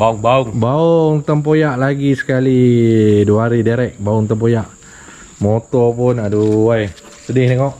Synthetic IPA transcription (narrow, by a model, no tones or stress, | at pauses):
bauŋbaʊŋbauʊŋt̪əmp̬ojaʔlaɡisə̥kaliduaaɾidaɾɛk̚bauŋt̪əmp̬ojaʔ | mot̪ɔpʊnaduwaj | sədɪhniŋɔʔ